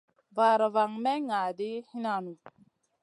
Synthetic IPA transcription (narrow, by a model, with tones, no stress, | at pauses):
va˨ɾa˨va˨ŋmɛ˦ŋa˨di˦hi˦na˨nu˨